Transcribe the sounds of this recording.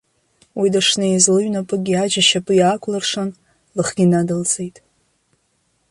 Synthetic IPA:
widaʂnajizlɨɥnapʼɨɡʲiad͡ʒaʃapʼɨjaːkʷʰʼlɨrʂan | lɨχɡʲinadɨlt͡sʰʼejtʼ

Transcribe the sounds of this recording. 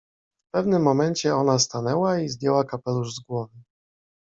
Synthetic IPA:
fpɛvnɘmːɔmɛɲt͡ɕɛɔnast̪anɛwaizd̪ʲjɛwakapɛluʐzɡwɔvɘ

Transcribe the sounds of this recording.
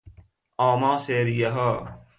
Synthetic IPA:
aːmãːseːɾijɐɦa

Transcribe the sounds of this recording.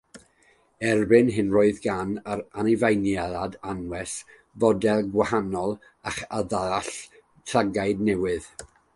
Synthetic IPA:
ɛrbɨnɦɪnroːɨðɡanəɾanɪvajnjaðadanwɛs | vɔdɛlˠɡwahanɔlˠ | aχaðaaɬ | tʰraɡaɨdnɛwɪð̥

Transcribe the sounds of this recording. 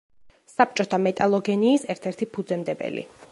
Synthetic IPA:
sap̚t͡ʃʼɔt̪ʰamɛt̪ʼalˠɔɡɛniːsɛɾt̪ʰɛɾt̪ʰipʰud̪zɛmd̪ɛbɛ̰lḭ

